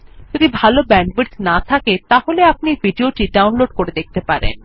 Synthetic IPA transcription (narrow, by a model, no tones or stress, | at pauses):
d͡ʒod̪ibʱalobɛɳɖbeɾt̪nat̪ʰaket̪aɦoleap̚nibiɖioʈiɖawnloɖkoɾed̪ek̚ʰt̪epaɾḛn